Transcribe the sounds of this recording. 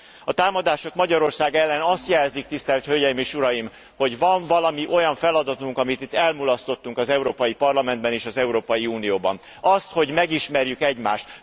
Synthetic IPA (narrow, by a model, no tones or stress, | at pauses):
ɒt̪aːmɒd̪aːʃo̞kmɒɟɒɾo̞rsaːɡɛlːɛnɒst̪jɛlzik̚t̪ist̪ɛlt̪højɛjimeːʃuɾɒjim | ho̞ɟvɒɱvɒlɒmiʔo̞jɒɱfɛlɒd̪ɒt̪uŋkɒmit̪it̪ːɛlmulɒst̪o̞t̪ːuŋkɒzɛuɾoːpɒjipɒrlɒmɛnd̪bɛneːʃɒzɛuɾoːpɒjiuːnijoːbɒ̰n | ɒst̪ho̞ɟmɛɡiʃmɛrjykɛɟma̰ːʃt̪